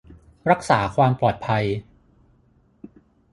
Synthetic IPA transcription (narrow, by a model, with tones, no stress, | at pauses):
ɾa˦˥k̚saː˩˦kʰwaː˧mplɔː˨˩t̪̚pʰa˧j